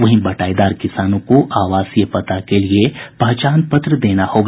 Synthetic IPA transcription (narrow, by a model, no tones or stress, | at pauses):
ʋɐɦĩbɐʈaːid̪aːɾkɪsaːnõkoʔaːʋaːsjəpɐt̪akeliepɐɦt͡ʃaːnpɐt̪ɾəd̪eːnahoːɡ